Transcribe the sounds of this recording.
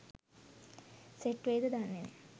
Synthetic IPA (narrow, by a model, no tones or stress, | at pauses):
seʈʋejd̪əd̪anːenḛ